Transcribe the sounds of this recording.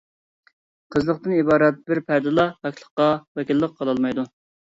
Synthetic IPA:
qʰəzlˠəqt̪ɨnibɑːɾɛt̪̚bɪɾpʰæɾd̪ɨlˠɑʁɑkʲʰlˠə̥qːɑwɛkʲilːəq̚ʰːɑlˠɑlˠmɑjd̪u

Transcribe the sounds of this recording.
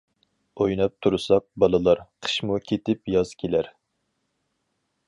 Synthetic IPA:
ojnɑp̚t̪ʰuɾɨsɑk̚bɑlˠɨlˠɑɾqʰə̥ʃmukʲʰet̪ɪpjɑz̥kʲʰelæɾ

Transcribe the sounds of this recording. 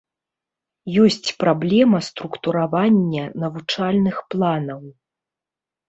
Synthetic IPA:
jɔsʲt͡sʲpɾablʲɛmɐst̪ɾukt̪uɾavanʲːɐnɐvut͡ʂalʲnɨxplˠanɐw

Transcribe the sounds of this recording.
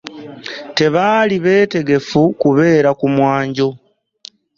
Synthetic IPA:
te̞βaːliβe̞ːte̞ɡe̞fukuβe̞ːɾakumwaːɲɟo̞

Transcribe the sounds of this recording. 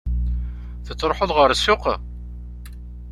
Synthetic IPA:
θət͡sːɾˤoħoðˤʁəɾsːʊq

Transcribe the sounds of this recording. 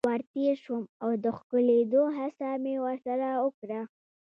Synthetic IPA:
waɾt̪eʃumawd̪əxkəled̪oɦasamewəɾsaɾaʊkɾa

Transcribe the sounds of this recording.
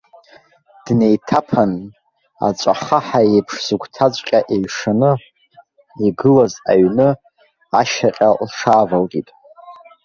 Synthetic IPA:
d̥nejtʰapʰan | a̰t͡ʃʷʼaχaħaepʰʂz̥uɡʷtʰat͡sʷʼqʲʼaʔejʂanɨ | iɡɨlaza̰ɥnɨ | aʃaqʲʼalʂʰaːvalɡʲʼitʼ

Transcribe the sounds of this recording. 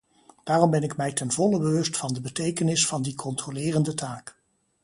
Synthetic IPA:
d̥aːrɔmbɛnɪkmɛjtɛnvɔləbəʋɵstfɑndəbətejkənɪsfɑndikʰɔntrolɪːrəndətaːk

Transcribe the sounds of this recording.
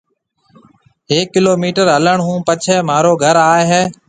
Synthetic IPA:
ɦeːkːɪloːmiːʈəɾɦələɳɦũːpət͡ʃʰɛːmaːɾoːɡʱəɾaːeɦeː

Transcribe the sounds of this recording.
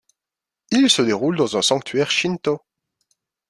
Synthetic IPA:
ilsəd̪eʁuld̪ɑ̃zɛ̃sɑ̃k̚t̪ʰɥɛʁʃint̪o

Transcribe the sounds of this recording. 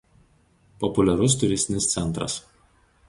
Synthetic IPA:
pɔpʊlʲɛɾʊst̪ʊɾʲɪsʲt̪ʲɪnʲɪst̪sʲɛnt̪ɾɐ̰s

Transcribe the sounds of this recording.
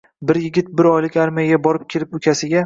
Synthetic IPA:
bɪɾjɪɡʲɪt̪̚bɪɾɒjlɪkʲaɾmajaɡʲabɒɾɪp̚kʲʰelɪpʊkʲʰasɪɡʲa

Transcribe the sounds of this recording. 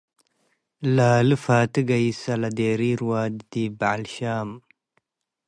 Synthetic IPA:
laːlɨfaːt̪ɨɡɐisɐlɐd̪eːɾiːɾwaːd̪d̪ibaʕlɕaːm

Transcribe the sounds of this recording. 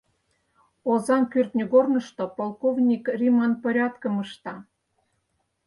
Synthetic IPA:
ozɑnkyrt̪nʲoɣornə̆ʃt̪opolˠkovnʲikrʲimɑnpoɾʲɑt̪kə̆məʃt̪ɑ

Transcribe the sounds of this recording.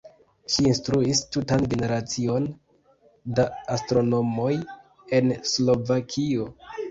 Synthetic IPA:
ʃiːnstɾuistutanɡe̞ne̞ɾat͡sio̞n | daastɾo̞no̞mo̞j | e̞nslo̞vakʰio̞

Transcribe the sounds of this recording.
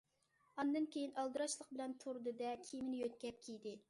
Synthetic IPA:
ɑnd̪ɨnkʲʰejinʔɑlˠd̪ɨɾɑʃlˠəq̚bɪlɛnt̪ʰoɾd̪ɨd̪ɛkʲʰimɪnɪjøt̪̚kʲɛp̚kʲʰijd̪ɪ

